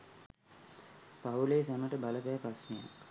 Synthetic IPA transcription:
pauleːsanəʈəbaləpæːpɾasmeja̰k

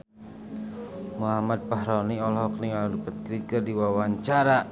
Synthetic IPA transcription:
muɦamad̪̚paɦɾɔniɔlɦɔk̚niŋaldupət̪̚kɾikərdiwawaɲt͡ʃaɾa

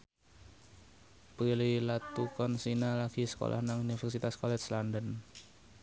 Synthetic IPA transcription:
pililat̪ːukɔnsinalaɡ̥isə̥ko̰lʔa̰hnaŋunifɛrsit̪askɔlɛt͡ʃlandən

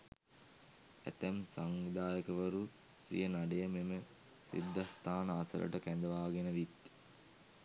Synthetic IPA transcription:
æ̰t̪æmsaŋʋid̪aːjəkəʋəɾu | sḭjənaɖejəmemə | sḭd̪ʱːast̪ʰaːnəasə̰lʔə̰ʈəkænd̪əʋaːɡenəʋit̪

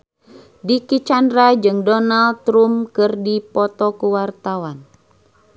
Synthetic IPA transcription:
dikit͡ʃandɾad͡ʒɨŋdɔnalt̪ɾumkɨrdipɔt̪ɔkuwart̪awan

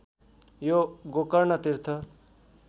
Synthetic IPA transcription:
joɡokʌɾnʌt̪iɾt̪ʰʌ

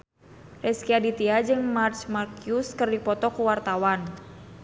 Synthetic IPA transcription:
rɛskiadit̪iad͡ʒɨŋmart͡ʃmarkjuskɨrdipɔt̪ɔkuwart̪awan

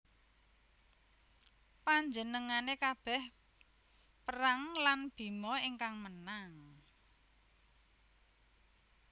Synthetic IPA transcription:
paɲd͡ʒənəŋanekab̥ɛ̤h | pəɾaŋlanb̥i̤mɔiŋkaŋmənaŋ

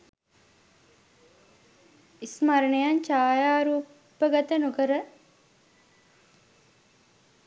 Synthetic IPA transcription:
ismaɾəɳejant͡ʃaːjaːɾuː | pːəɡat̪ənukəɾə

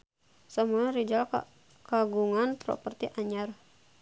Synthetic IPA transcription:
samuaɾid͡ʒal | kaɡuŋanpɾɔ̰pərt̪iʔaɲar

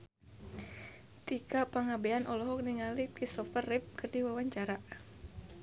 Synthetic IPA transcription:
t̪ikapaŋabeanʔɔlɔɦɔk̚niŋalipisɔpərːɪp̚kɨrdiwawaɲt͡ʃaɾaʔ

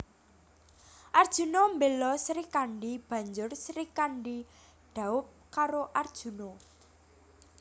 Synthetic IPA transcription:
ʔard̥ʒ̥ṳnombelɔsɾikaɳɖib̥ä̤ɲd͡ʒʊrsɾikaɳɖi | ɖ̥a̤ʊp̚kaɾoʔard̥ʒ̥ṳno

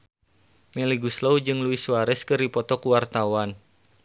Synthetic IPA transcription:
mɛliɡuslowd͡ʒɨŋluisuwaɾɛskɨripɔt̪ɔkuwart̪awan

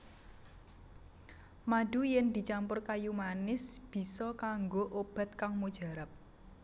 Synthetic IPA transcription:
mad̥ujɛnd̪̥i̤t͡ʃampʊrkajumanɪsb̥i̤sɔkaŋɡoʔob̥a̤t̪̚kaŋmud̥ʒ̥a̤ɾap̚

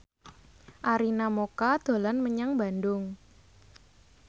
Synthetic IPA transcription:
ʔaɾinamokad̪̥o̤lanməɲaŋbandʊŋ

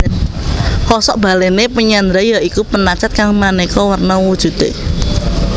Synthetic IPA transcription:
hɔsɔʔb̥a̤lenepəɲand̪ɾajaʔikupənat͡ʃat̪̚kaŋmanekɔwərnawud̥ʒ̥ṳt̪e

